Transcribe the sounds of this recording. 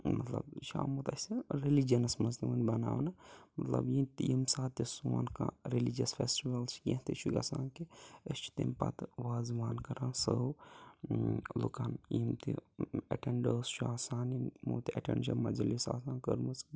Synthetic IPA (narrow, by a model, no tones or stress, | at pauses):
mɐt̪lɐ̰bʃa̰ːmut̪ɐsiɾilid͡ʒɐnɐsmɐzt̪imunbɐna̰ːwnɐmɐt̪lɐ̰bjit̪ijimsaːt̪isua̰nka̰ɾilid͡ʒɐsfʰeːsʈiʋɐlt͡ʃʰkĩɦt̪it͡ʃʰuɡɐsãːnkiəst͡ʃʰu̥t̪impɐ̰t̪ʋaːzʋaːnkɐɾãːnsə | lukanjimt̪ḭɐ̰ʈeɳɖəːst͡ʃʰuaːsaːnimṵːt̪ɐ̰ʈḛɳɖʃɐmɐd͡ʒɐlisa̰ːsaːnkəɾmus